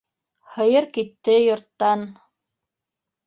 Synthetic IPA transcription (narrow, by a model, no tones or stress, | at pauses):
hɤ̆jɤɾkit̪ːɘjŏɾt̪ːɑn